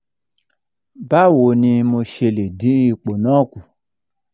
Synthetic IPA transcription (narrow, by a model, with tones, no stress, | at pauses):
ba˦˨wo˨nĩ˧mo˧ʃe˧le˨di˨˦i˧k͡po˨nã˦ku˨